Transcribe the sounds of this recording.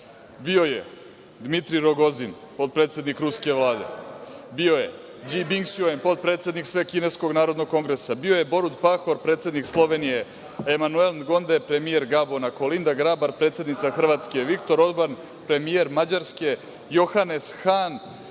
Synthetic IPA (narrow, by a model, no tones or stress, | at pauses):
bio̞je | d̪mit̪ɾiɾo̞ɡo̞zin | po̞t̪̚pɾet̪sʲe̞d̪nikɾuske̞ʋlˠaːd̪e̞̰bio̞je̞̰ | d͡ʒibiŋɡsjoempo̞t̪̚pɾe̞ːt̪sed̪niksʋe̞kine̞sko̞ɡnaːɾo̞d̪no̞ɡ̚ko̞ŋɡɾe̞sabio̞je̞bo̞ɾud̪paxo̞ɾpɾe̞ːt̪se̞d̪nikslˠo̞ʋe̞nije̞ | emanuelnɡo̞nd̪epɾe̞mije̞ɾɡabonako̞lind̪aɡɾabaɾpɾe̞t̪sʲe̞d̪nit̪saxr̩ʋaːt̪ske̞ʋikt̪o̞ɾo̞d̪ban | pɾe̞mije̞ɾmad͡ʑaɾske̞ | jo̞xane̞sxan